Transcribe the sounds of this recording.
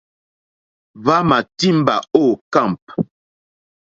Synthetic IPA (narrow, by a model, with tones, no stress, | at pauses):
va˦ma˨ti˦m˦ba̰˨o˦˨ka˦˨mp̚